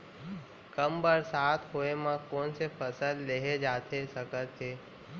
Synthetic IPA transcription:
kəmbəɾsaːt̪ʰɦoːemãkoːnsepʰəsəlleɦed͡ʒaːt̪ʰesəkət̪ɦeː

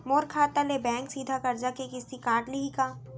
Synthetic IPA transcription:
moːɾkʰaːt̪alebɛ̃ːŋksiːd̪ʱakɐɾd͡ʒakekɪsikãːʈliɦikaː

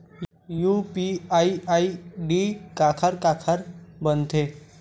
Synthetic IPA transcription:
jupiaiaiɖikakʰaɾkakʰaɾbənt̪ʰe

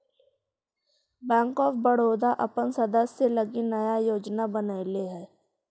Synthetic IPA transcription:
bɛ̃ːŋkɔːfbəɽ̤oːd̪aʔɐpənsɐd̪əsːelɐɡinɐjajoːd͡ʒnabənaɪleɦɛː

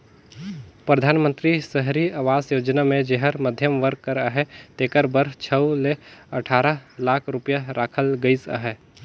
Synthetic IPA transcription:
pɾəd̪ʱaːnmə̃nt̪ɾisəɦɾiaʋaːzjoːd͡ʒnamẽd͡ʒeɦəɾməd̪ʱjəmʋəɾkkːəɾaɦɛt̪eːkəɾbəɾt͡ʃʰəuleəʈʰaːɾəlaːkʰɾʊpjaɾaːkʰəlɡəɪsa̰ɦɛ

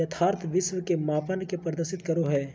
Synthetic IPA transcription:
ɐt̪ʰaːɾt̪ʰʋɪsʋkemaːpənkepɾəd̪əɾʃɪt̪kɐɾoɦɛː

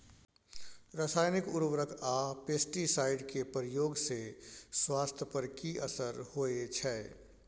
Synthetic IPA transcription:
ɾasaːjnɪkʊɾʋɾəkʰapeːsʈisaːɪɖkepəɾɪjoːɡseswaːst̪ʰjəpəɾkiəsəɾhoet͡ʃʰɛː

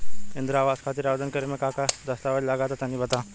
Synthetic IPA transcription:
ɪnd̪ɾaʋaskʰat̪iːɾaʋd̪ənkəɾemekakad̪əst̪aʋaɽilaɡat̪at̪jãnːiːbət̪a

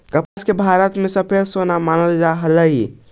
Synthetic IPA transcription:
kəpaskebʱaɾət̪mẽsəpʰeɾsonamanəld͡ʒaɦələɦi

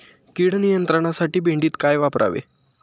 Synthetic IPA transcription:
kiːɽnijənt̪ɾəɽ̃asaʈiːbeɳɖiːt̪kajʋapɾʔa̰ʋḛ

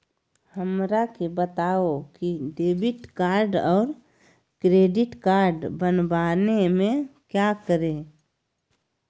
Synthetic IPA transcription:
həmɾakebət̪aokiɖeːbɪʈkaːɾɖɔːɾ | kɾeːɖɪʈkaːɾɖbənbanemẽkjakəɾẽ

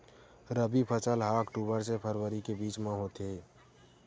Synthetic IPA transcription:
ɾəbipʰət͡ʃəlɦaːkʈuːbəɾsepʰəɾwəɾikebiːt͡ʃmãɦot̪eː

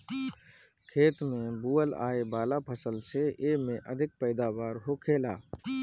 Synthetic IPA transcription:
kʰeːt̪mẽbuːəla̰ːebaːlapʰəsəlseemẽʔəd̪ʱɪk̚pəɪd̪aʋaːɾɦokʰeːlaː

